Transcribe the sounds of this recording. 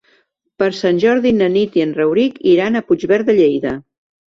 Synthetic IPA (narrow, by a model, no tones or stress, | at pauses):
pəɾsanʲʒɔɾðinənit̪iənrəwɾikiɾanəpud͡ʒβɛɾðəʎejðə